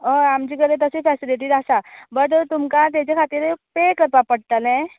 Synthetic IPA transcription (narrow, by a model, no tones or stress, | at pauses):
əamt͡ɕiːkəɾet̪əsefɛsiliʈ̬iːd̪asabəɾt̪ət̪umkat̪̬jat͡ɕakʰat̪iːɾpekəɾpapəɽ̚t̪əlɛ̃